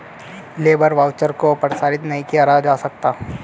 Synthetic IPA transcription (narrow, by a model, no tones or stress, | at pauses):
leːbəɾʋaːʊt͡ʃəɾkopɾəsaːɾɪt̪nɐɦĩkijaɾad͡ʒaːsɐk̚t̪aː